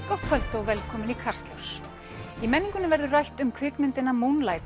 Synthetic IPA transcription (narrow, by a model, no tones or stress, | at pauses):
kɔht̪kʰœl̥t̪owvɛlkʰɔːmʏnikʰar̥st̪lows | imɛnːiŋkʏnɪvɛɾðʏrajht̪ʏmkʰvʏːkmɪnt̪ɪnamunlaːjt̪